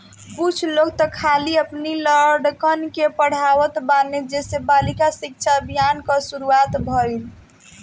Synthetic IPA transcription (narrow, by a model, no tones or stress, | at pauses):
put͡ʃʰlok̚t̪ɔkʰaliəpniləɖkənkepəɽ̤awət̪baned͡ʒesebalikasik̚t͡ʃʰabijankəsuɾuat̪bʱəil